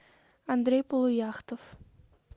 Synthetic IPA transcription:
and̪ɾʲejpolˠujaχt̪of

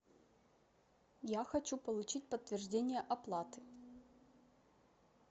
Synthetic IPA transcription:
jaxɐt͡ɕupəlˠʊt͡ɕit̚ʲpət̪ːvʲɪrʐdʲenʲɪjəʔɐplˠat̪ɨ̥

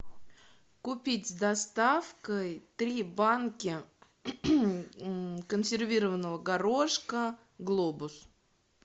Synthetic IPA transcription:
kʊpʲitʲzd̪ɐst̪afkəjt̪ɾʲibankʲɪ | kənsʲɪrvʲiɾəvənːəvəɡɐɾoʂkə | ɡlˠobʊs

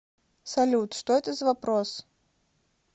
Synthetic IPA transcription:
sɐlʲut̪ʂt̪oɛt̪əzəvɐpɾos

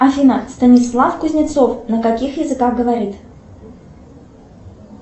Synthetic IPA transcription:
ɐfʲinəst̪ənʲɪslˠafkʊzʲnʲɪt̪sofnəkakʲixjɪzɨkaxɡəvɐɾʲit̪

